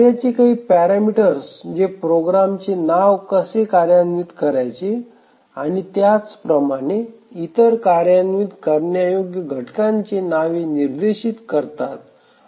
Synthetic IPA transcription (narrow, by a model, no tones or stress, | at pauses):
jat͡ɕekaɦiːpɛɾamiʈəɾsd͡ʑepɾoɡɾamt͡senaʋkəsekaɾjanʋit̪kəɾajt͡ɕe | a̰ɽ̃it̪jat͡spɾəmaɽ̃e | it̪əɾkaɾjanʋiːt̪kəɾnjajoɡjəɡʱəʈkãɲt͡ɕenaʋiniɾd̪eɕit̪kəɾt̪at̪